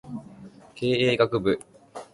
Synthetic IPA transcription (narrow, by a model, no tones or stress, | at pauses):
ke̞ːeːɡakɯ̟bɯ̟